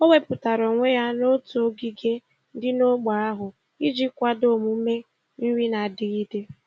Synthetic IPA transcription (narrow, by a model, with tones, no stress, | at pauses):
o˦we˦pʊ˨ta˨ɾo˨ŋʷe˦ja˦no˦tu˨o˦ɡi˦ɡe˦ | dɪ˦no˦ɡ͡ba˨ɾa˦ɦʊ˨ | i˦d͡ʒi˦kʷa˦do˦˨mu˨˦me˦ | n̩˦wi˦na˨dɪ˨ɣi˦de˦